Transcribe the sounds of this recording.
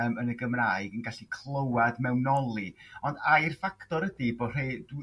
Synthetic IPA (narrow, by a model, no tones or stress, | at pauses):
mənəɡəmraɨɡənɡaɬikʰlˠəwadmɛwnɔlˠiɔndajrfaktɔɾədibo̥ːr̥ejd